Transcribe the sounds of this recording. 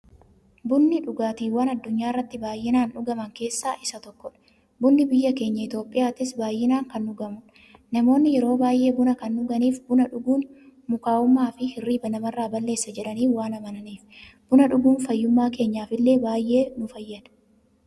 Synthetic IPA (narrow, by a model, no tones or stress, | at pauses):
bʊnːɪᶑʊɡaːt̪iːwɐnɐd̪ːʊɲːaːɪrːɐt̪ːɪbaːjːɪnaːnᶑʊɡɐmɐŋke̞ːsːaːʔɪsɐt̪ɔkːɔᶑɐ̥ | bʊnːɪbɪjːɐke̞ːɲːɐɪt̪jo̞ːpʼːɪjaːt̪ɪsbaːjːɪnaːŋkɐnːʊɡɐmʊn | nɐmo̞ːnːɪjɛɾo̞ːbaːjʔe̞ːbʊnɐkɐnːʊɡɐniːfbʊnɐᶑʊɡuːnmʊkaːʊmːaːfɪhɪrːiːbɐnɐmɐrːaːbɐlːe̞ːsːɐd͡ʒɛᶑɐniːfwaːnɐmɐnɐniːfb̥ʊnɐᶑʊɡuːnfɐjːʊmːaːke̞ːɲːaːfɪlːe̞ːbaːjʔe̞ːnʊfɐjːɐd̪ɐ̥